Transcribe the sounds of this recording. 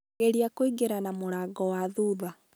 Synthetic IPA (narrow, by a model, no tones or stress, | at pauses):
eɾiakoiɡeɾanamoɾaɡɔwaðuːða